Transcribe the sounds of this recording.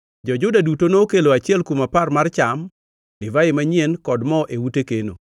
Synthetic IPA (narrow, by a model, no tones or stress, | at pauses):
d͡ʒɔd͡ʒʊdadutonoːkeloat͡ʃɪɛlkumaparmart͡ʃam | lɪvaɪmaɲɪɛnkɔdmɔʔewutekeno̰